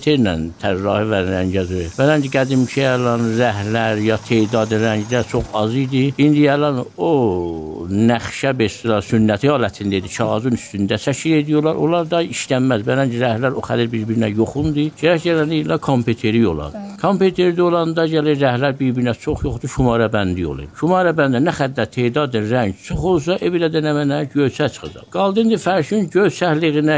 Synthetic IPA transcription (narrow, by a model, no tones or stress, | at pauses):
t̪ʰeɾnænt̪ʰæɾːɑːhivænɾæɲɟæzbælænd͡ʒiɡæd̪imt͡ʃʰiælɑnɾæhlæɾjɑt̪ʰed̪ɑd̪ɾæɲd͡ʒlæt͡ʃʰo̞χɑzɯjd̪iind̪iælɑno | næχʃæbeʃt̪ilɑɾsynːæt̪ʰiɑːlæt̪ʰind̪æid̪it͡ʃʰɑɣɑzunyst̪ynd̪æt͡ʃʰæʃʰiled̪ijolˠɑɾo̰lˠɑɾd̪ɑiʃt̪æmmæzbælænt͡ʃiɾæhlæɾo̞xæd̪iɾbiɾbiɾinæjoχund̪ɯɟeɾæcɟælænilɑkʰompʰet̪ʰeɾio̰lˠɑ̰nd̪kʰompet̪ʰeɾd̪io̞lˠɑnd̪ɑɟæliɾæhlæɾbiɾbiɾinæt͡ʃʰo̞χjo̞χd̪uʃumɑːɾɑbænd̪ijo̰lˠḭʃumɑːɾɑbænd̪inæxæd̪ːæɾt̪ʰeːd̪ɑd̪ɯnɾæɲɟt͡ʃʰoχolˠs̬ɑʔevilæd̪ænæmænæɟøjt͡ʃʰæt͡ʃʰɯ̥χɯd͡ʒɑ̰bɡ̥ɑlˠd̪ɯnd̪ifæɾʃynɟøzt͡ʃ̪ʰæhliɣinæ